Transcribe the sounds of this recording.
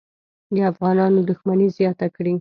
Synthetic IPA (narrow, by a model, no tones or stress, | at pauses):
d̪əafɣɑnɑnod̪ʊxmanizjɑt̪akɽi